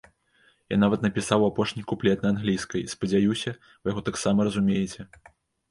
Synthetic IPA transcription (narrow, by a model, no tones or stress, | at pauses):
ja̰navɐt̪nɐpʲisawapɔʂnʲikuplʲɛt̪nɐanɣlʲijskɐjspɐd͡zʲajusʲɐ | vɨjaɣɔt̪aksamɐɾɐzumʲejɛt͡sʲɛ